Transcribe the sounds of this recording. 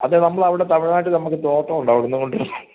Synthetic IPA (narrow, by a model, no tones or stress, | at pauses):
ɐ̰ðenɐmːɐɭɐʋiɽet̪ɐʋiɻɐnaːjʈːɨnɐmːukːɨt̪o̞ːʈːɐmuɳɖaɐːʋɐɽenːɨko̞ɳɖirunːɨ